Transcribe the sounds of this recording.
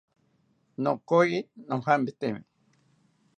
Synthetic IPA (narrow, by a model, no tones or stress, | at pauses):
nokojinoŋhambet̪emi